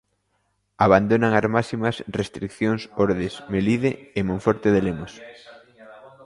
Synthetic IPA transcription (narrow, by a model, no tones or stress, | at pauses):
aβand̪onaŋasmasimɐsrest̪ɾikθjoŋsoɾðesmeliðeːmõɱfɔɾt̪eðelemos